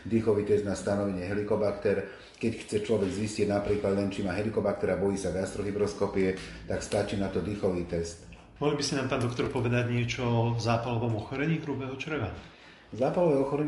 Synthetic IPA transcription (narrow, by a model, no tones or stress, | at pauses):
d̪ixɔʋiːt̪ɛzd̪nast̪anɔʋɛɲɛɦɛlikɔbakt̪ɛɾ | kɛcxt͡sɛt͡ʃlɔʋɛɡziscɪɛɟnapɾiːklad̪lɛnt͡ʃimaːɦɛlikɔbak̚t̪ɛɾabɔjiːsaɡast̪ɾɔɦibɾɔskɔpiɛt̪akst̪at͡ʃiːnat̪ɔd̪ixɔʋiːt̪ɛst̪ | mɔɦlibisinaːmpaːnd̪ɔkt̪ɔɾpɔʋɛd̪aɟɲɪɛt͡ʃɔɔzaːpalɔʋɔmɔxɔɾɛɲiːɦɾubɛɦɔt͡ʃr̩ʋa | zaːpalɔʋɛɔxɔɾɛɲ